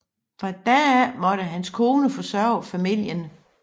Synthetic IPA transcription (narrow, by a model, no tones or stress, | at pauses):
fʁɑ̈d̥æmɒ̽ɾəɦænskʰo̝ːnəfɒ̽sɶɐʊfæmil̰jən